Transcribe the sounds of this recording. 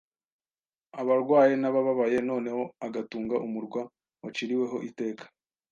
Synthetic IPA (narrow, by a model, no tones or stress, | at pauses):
aβaɾɡwaːje̞naβaβaβaje̞no̞ːne̞ho̞aɡatuːŋɡaʔumuɾɡwa | wat͡ʃiɾiwe̞ɦo̞ʔite̞ːkʰḁ